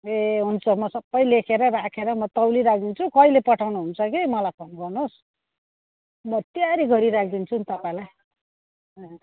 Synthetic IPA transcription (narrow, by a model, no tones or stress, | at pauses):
eɦunt͡sʰʌmʌsʌbːʌjlekʰeɾʌrakʰeɾʌmʌt̪ʌwliɾakʰd̪int͡sʰukʌjlepʌʈʰawnuɦunt͡sʰʌkimʌlajpʰʌnɡʌrnos | mʌt̪jaɾiɡʱʌɾiɾak̚ʰd̪int͡sʰunt̪ʌpaĩlaj